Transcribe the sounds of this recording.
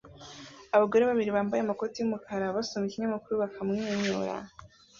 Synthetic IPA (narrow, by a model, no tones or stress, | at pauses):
aβaɡo̞ɾe̞βaβiɾiβaːmbajeamako̞tijumukʰaɾaβasomikimɲamukuɾuβakamŋiɲoɾa̰